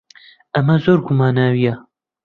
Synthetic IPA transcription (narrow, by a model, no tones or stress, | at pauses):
ʔɐmɐzoːɾɡʊmaːnaːwija